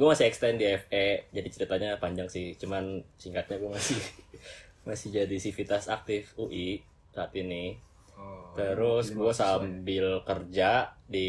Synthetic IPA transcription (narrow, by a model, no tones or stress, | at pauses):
ɡuamasiɛkst̪ɛndiɛfɛd͡ʒadit͡ʃəɾit̪aɲapaɲd͡ʒaŋsɪht͡ʃumansiŋkat̪̚ɲaɡuamasɪh | masɪhd͡ʒadisifit̪asak̚t̪ɪfuʔi | sat̪inɪh | t̪əɾʊsɡuasambɪlkərd͡ʒadi